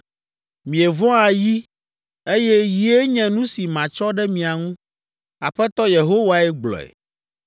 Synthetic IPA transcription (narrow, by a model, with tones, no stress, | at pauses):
mĩ˨e˨vɔ̃˦a˨ji˦ | e˦jɛ˦ji˨e˦ɲɛ̃˨nũ˦si˨mã˨t͡ʃɔ˦ɖɛ˦mĩ˨a˨ŋũ˦ | a˨ɸɛ˦t̪ɔ˦je˨ɦo˦wa˨ɛ˦ɡ͡blɔ̰˨ɛ̰˨